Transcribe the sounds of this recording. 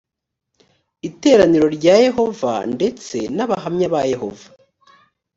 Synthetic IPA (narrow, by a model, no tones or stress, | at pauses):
ite̞ːɾaniɾo̞ɾɟaːje̞ɦo̞va̰nde̞t͡se̞naβahamɲaβaje̞ho̞̰vḁ